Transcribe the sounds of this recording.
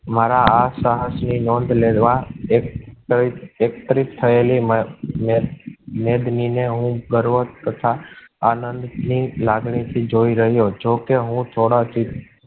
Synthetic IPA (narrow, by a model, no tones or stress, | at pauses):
maɾaasaɦəsninɔ̃nd̪led̪ʋaekiekt̪əɾit̪ʰːəelimmemed̪nineɦũɡəɾʋot̪ət̪ʰaanənd̪nilaɡɳit̪ʰid͡ʒoiɾəɦjod͡ʒokeɦũt̪ʰoɽad͡ʒi